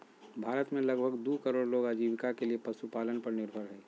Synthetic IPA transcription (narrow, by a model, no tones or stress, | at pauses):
bʱaːɾət̪mẽlɐɡbʱəɡd̪ukəɾoːɽloːɡaːd͡ʒiːʋɪkakeliepɐsupaːlənpɐɾnɪɾbʱəɾɦɛː